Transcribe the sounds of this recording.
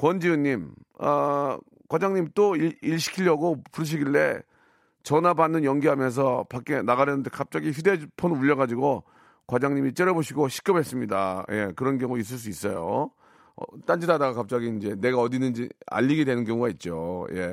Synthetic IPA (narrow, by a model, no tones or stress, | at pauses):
kwʌnd͡ʑiɯɲːim | ʌ̰ | kwad͡ʑaŋɲimt͈oiiɭɕʰi̥kʰiʎːʌɡopuɾɯɕ̬ʰiɡiɭte̞̰ | t͡ɕʌnabanːɯnjʌŋɡiɦamjʌns̬ʰʌpak͈̚e̞naɣaɾjʌnɯndekap̚t͡ɕ͈aɡiçude̞pʰonɯuʎːʌɣad͡ʑiɡo | kwad͡ʑaŋɲimit͡ɕ͈eɾʌboɕʰiɡoɕʰi̥k͈ʌbe̞s͈ɯmɲidaje̞̰kɯɾʌnɡjʌŋuis̬͈ɯɭs̬͈uis͈ʌjo̰ | ʌ̰t͈and͡ʑidadaɡakap̚t͡ɕ͈aɡiːnd͡ʑe̞ne̞ɡaʌdinɯnd͡ʑḭa̰ʎːiɡidwe̞nɯnkjʌŋuɡait̚t͡ɕ͈oje̞̰